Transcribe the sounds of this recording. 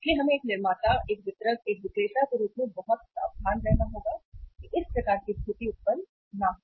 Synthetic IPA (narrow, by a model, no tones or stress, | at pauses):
ɪslieɦɐmẽeːknɪɾmaːt̪aeːk̚ʋɪt̪ɾəkeːk̚ʋɪkleːʃakeɾuːpmẽbɐɦʊt̪̚a̰b̚aːnɾɛɦnaɦoːɡaːkiʔɪspɾɐkaːɾkisʰʊt̪iʊt̪̚pən | naɦo